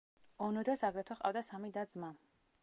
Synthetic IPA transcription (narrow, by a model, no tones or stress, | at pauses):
ɔnɔd̪asaɡɾɛt̪ʰɔχqʼa̰vd̪asamid̪ad̪zma